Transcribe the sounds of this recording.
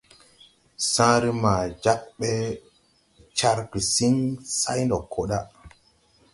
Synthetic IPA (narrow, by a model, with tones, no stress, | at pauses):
sãː˦ɾi˦ma˨d͡ʒa˦k̚ɓe˦ | t͡ʃa˦ɾki˨si˦ŋsa˦jndo˨kʰːo˦ɗa˦